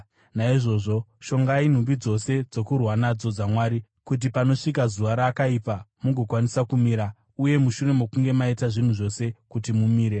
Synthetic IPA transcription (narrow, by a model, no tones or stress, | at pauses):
naiʐo̞ʐo̞ʃo̞ŋɡain̤umbid͡zo̞se̞d͡zo̞kurwanad͡zo̞d͡zamwaːɾi | kut̬ipano̞ʂikazuʋaɾaːkaipamuɡʱo̞kwanisakumiːɾa | uje̞muʃure̞mo̞kuŋɡe̞maitaʐin̤uʐo̞se̞kutimumiːɾe̞